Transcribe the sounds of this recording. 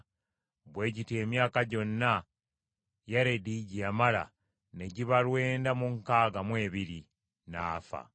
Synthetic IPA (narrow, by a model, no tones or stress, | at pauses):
bwe̞ːɟite̞mjaːkaɟo̞nːa | jaɾe̞diɟijamala̰ | ne̞ɟiβalwe̞ːndamuŋkaːɡamwe̞ːβiɾi | naːfa̰